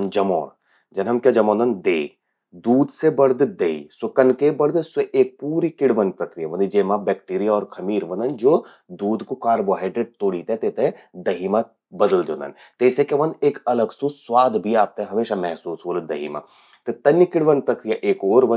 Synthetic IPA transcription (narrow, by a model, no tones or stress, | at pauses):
nd͡ʒɐmɔːn | d͡ʒɐnɦɐmkjad͡ʒɐmɔːnd̪ɐnd̪eː | d̪uːd̪sebɐɾd̪d̪eːisʊkənkebɐɾd̪seʔeːk̚puːɾikɪɽʋənpɾɐkɾijaʋɐnd̪id͡ʒeːmabɛːk̚ʈiːɾijaɔːɾkʰɐmiːɾʋɐ̃nd̪ənd͡ʒoː | d̪uːd̪kokaːɾboɦaːɪɖɾeɖ̚t̪oːɽiːt̪eɦɛ̃t̪et̪ẽd̪ɐɦiːma | bɐd̪əld̪õ̰ːnd̪ə̰n | t̪eːsekeʋɐ̃nd̪eːkɐləɡsuːsswaːd̪bʱiaːp̚t̪ɛɦɐmeːʃamɛɦsuːsɦoːld̪ɐɦḭːma̰ | t̪et̪ɐnjikɪɽʋənpɾɐkɾijaʔeːkoːɾʋɐ